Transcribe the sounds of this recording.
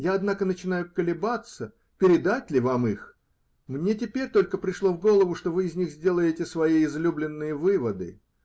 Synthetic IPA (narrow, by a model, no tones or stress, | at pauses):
jaɐd̪nakənət͡ɕɪnajʊkəlʲɪbat̪sə | pʲɪɾʲɪd̪atʲlʲɪvamɨx | mnʲe̞t̬ʲɪpʲeɾʲt̪o̞lʲkəpɾʲɪʂlˠo̞vɡo̞lˠəvʊʂt̪o̞vɨɪzʲnʲixzʲdʲe̞lˠəjɪtʲɪsvɐiɪzlʲublʲɪnːɨjəvɨvəd̪ɨ̰